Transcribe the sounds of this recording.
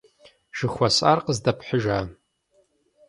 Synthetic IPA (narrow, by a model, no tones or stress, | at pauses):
ʒ̥ɨxʷɐsʼarqəzdɐpʰħəʒaː